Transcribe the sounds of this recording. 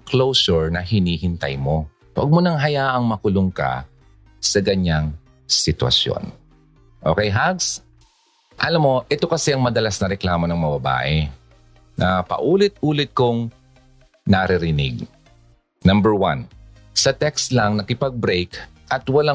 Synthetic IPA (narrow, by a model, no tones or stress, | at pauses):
klowsʊɹnɐhɪniːhɪnt̪a̰jmo̞ | wɐ̰ɡ̚mʊnɐŋɦɐjaːʔɐŋmɐkʊlʊŋka̰ | sɐɡɐɲaŋ | sɪt̪wɐ̰sjo̰n | ʔoːkɛjɦaɡs | ʔɐlamːo̞ʔɛt̪o̞kɐsɛʔɐŋmɐd̪ɐlasnɐɾɛklaːmonɐŋmɐbɐba̰ːʔɛ | nɐpɐ̰ʔuːlɪt̪̚uːlɪt̪̚kʊŋ | nɐɾɪɾɪnɪ̰ɡ̚ | nɐmbɛɹwan | sɐt̪ɛkst̪lɐŋnɐkɪpɐɡ̚bɾɛjk | ʔɐt̪wɐla